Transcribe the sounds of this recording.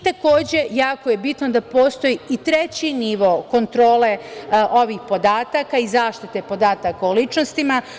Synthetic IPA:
t̪ako̞ːd͡ʑe̞jaːkoje̞bit̪nod̪apo̞ːst̪o̞jiit̪ɾet͡ɕiniʋo̞ko̞nt̪ɾo̞ːle̞ʔoʋiːxpo̞d̪aːt̪akaizaːʃt̪it̪e̞po̞d̪aːt̪akaolit͡ʃnost̪ima

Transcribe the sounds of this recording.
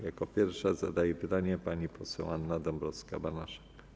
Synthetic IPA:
jakɔpʲjɛɾfʂazad̪ajɛpɘt̪aɲɛpaɲipɔsɛ̰w̃anːad̪ɔmbɾɔska̰banaʂḁk

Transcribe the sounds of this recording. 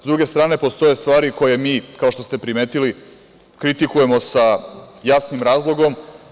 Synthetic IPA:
zd̪ɾuɡe̞st̪ɾaːne̞po̞st̪o̞je̞st̪ʋaːɾiko̞je̞miːkaoʃt̪o̞st̪e̞pɾime̞ːt̪ili | kɾit̪ikuje̞mo̞sajasnimɾaːzlˠo̞ɡo̞m

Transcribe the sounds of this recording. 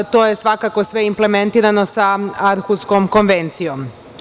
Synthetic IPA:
t̪o̞ːje̞sʋakako̞sʋe̞imple̞me̞nt̪iːɾano̞saaɾxuskomko̞nʋe̞nt̪sijom

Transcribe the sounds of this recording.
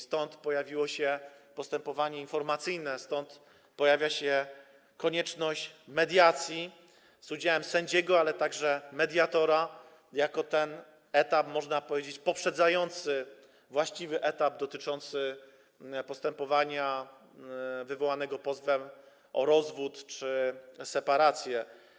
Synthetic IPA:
st̪ɔnt̪pɔjavʲiwɔɕɛpɔst̪ɛmpɔvaɲɛinfɔɾmat̪sɘjnɛst̪ɔnt̪ | pɔjavʲjaɕɛ | kɔɲɛt͡ʂnɔɕt͡ɕmɛd̪ʲjat̪sʲji | zud͡ʑawɛmsɛɲd͡ʑɛɡɔalɛt̪aɡʐɛmɛd̪ʲjat̪ɔɾa | jakɔt̪ɛn | ɛt̪apmɔʐnapɔvʲjed͡ʑet͡ɕpɔpʂɛd̪zajɔnt̪sɘ | vwaɕt͡ɕivɘʔɛt̪abd̪ɔt̪ɘt͡ʂɔnt̪sɘ | pɔst̪ɛmpɔvaɲa | vɘvɔwanɛɡɔpɔzvɛm | ɔɾɔzvut̪t͡ʂɘsɛpaɾat̪sʲjɛ

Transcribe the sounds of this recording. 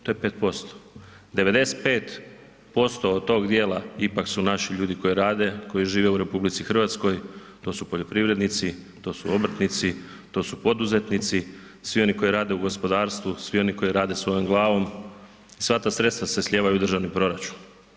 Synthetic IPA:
t̪o̞jepe̞ːt̪̚po̞st̪o̥ | d̪e̞ʋe̞d̪e̞set̪̚peːt̪ | po̞st̪oːd̪̚t̪o̞ɡd̪jeːlˠaipaksunaʃiʎuːd̪iko̞jiɾaːd̪e̞ko̞jiʒiːʋe̞uɾe̞publit̪sixr̩ʋat̪sko̞jt̪o̞supo̞ʎo̞pɾiʋɾe̞d̪nit̪sit̪o̞ːsuobɾ̩t̪nit̪si | t̪o̞ːsupo̞d̪uze̞t̪nit̪si | sʋio̞niko̞jiɾaːd̪e̞uɡo̞spo̞d̪aːɾst̪ʋusʋio̞niko̞jiɾaːd̪e̞sʋo̞jomɡlˠaːʋo̞m | isʋat̪aːsɾe̞t̪st̪ʋasesʎʲeːʋajud̪r̩ʒaʋnipɾo̞ɾat͡ʃu̥n

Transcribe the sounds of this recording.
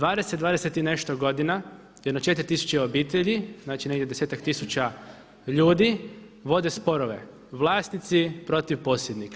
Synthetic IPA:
d̪ʋaːd̪eset̪̚d̪ʋaːd̪eset̪ineʃt̪oɡo̞d̪ina | jed̪not͡ʃe̞t̪ɾʲit̪isu̥t͡ɕeo̞biːt̪eʎiznaːt͡ʃineɡd̪ʲjʲed̪eseːt̪akt̪isut͡ɕa | ʎuːd̪i | ʋo̞d̪e̞spo̞ɾoʋe̞̰ | ʋlˠaːst̪nit̪sipɾo̞t̪iʋpo̞ːsjed̪nika

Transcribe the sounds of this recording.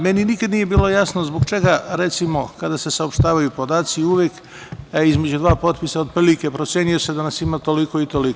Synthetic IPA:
me̞ninikad̪niːje̞biːlˠo̞jasnozboɡt͡ʃe̞ɡaɾet̪simo̞kad̪ase̞saopʃt̪aːʋajupo̞d̪aːt̪siuʋjek | izme̞d͡ʑud̪ʋaːpo̞t̪pisaod̪pɾilike̞pɾo̞t̪sjeːnijo̞se̞d̪anasimat̪o̞liko̞it̪o̞liko

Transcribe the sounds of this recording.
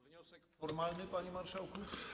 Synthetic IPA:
ɔɾmalnɘpaɲimaɾʂawku

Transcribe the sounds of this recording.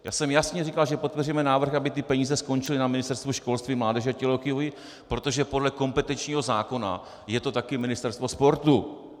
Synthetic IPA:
ja̰ːsɛmjasɲɛrikalʒɛpot̪̚pɛrujɛmɛnaːvr̩xʔabɪt̪ɪpɛɲiːzɛsko̞nt͡ʃɪlɪnamɪnɪst̪ɛɾst̪vuʃko̞lst̪viːmlaːdɛʒɛacɛloxɪjovɪ | pɾo̞t̪o̞ʒɛpo̞dlɛko̞mpɛt̪ɛnt͡ʃɲiːɦo̞zaːko̞na̰ | jɛt̪ot̪akɪmɪnɪst̪ɛɾst̪vo̞spo̞ɾt̪u

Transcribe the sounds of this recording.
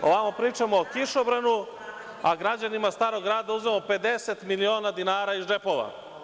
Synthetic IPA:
oʋamopɾiːt͡ʃamoːkiʃobɾanu | aɡɾad͡ʑanimast̪aːɾo̞ɡɾaːd̪auzmemo̞pe̞d̪e̞set̪milio̞ːnad̪inaːɾaid͡ʒe̞po̞ʋa̰

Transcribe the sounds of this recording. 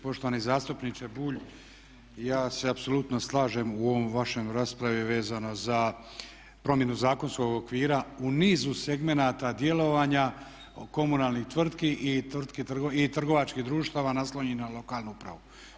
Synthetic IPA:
po̞ʃt̪oʋanizaːst̪upnit͡ʃebuːʎ | jaːse̞apso̞lut̪noslˠaːʒe̞muoʋomʋaʃemɾaːspɾaʋiʋe̞ːzano̞za | pɾo̞mjenuzaːko̞nsko̞ɡo̞kʋiːɾauniːzuse̞ɡme̞naːt̪ad̪je̞lo̞ʋaːɲa | ko̞munaːlnixt̪ʋr̩t̪kiʔit̪r̩t̪kit̪r̩ɡoit̪r̩ɡo̞ʋat͡ʃkiɦd̪ɾuːʃt̪aːʋanaslo̞ɲinalo̞kaːlˠnuupɾa̰ʋu

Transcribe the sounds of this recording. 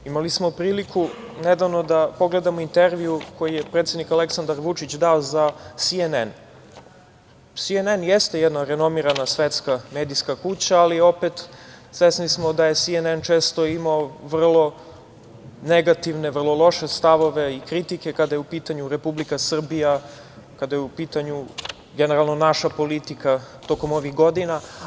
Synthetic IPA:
imalismopɾiːlikʰuned̪aʋno̞d̪apo̞ɡle̞d̪amoint̪eɾʋiuko̞jijepɾet̪sed̪nikale̞ksand̪aɾʋut͡ʂit͡ɕd̪aozasienen | sienenjest̪ejɛd̪naɾe̞no̞miɾanasʋet̪skame̞ːd̪ijskakut͡ɕaːlio̞pet̪sʋesnismo̞d̪aje̞sienent͡ʃeːst̪o̞imaoʋr̩lˠo̞ | neɡat̪iʋne̞ʋr̩lˠo̞lˠo̞ʃe̞st̪aʋo̞ʋe̞ikɾit̪ike̞kad̪ajeupiːt̪aɲuɾe̞publikasr̩bija | kad̪ajupiːt̪aɲu | ɡene̞ɾalˠno̞naʃapo̞lit̪ikat̪o̞ko̞mo̞ʋixɡo̞d̪ina

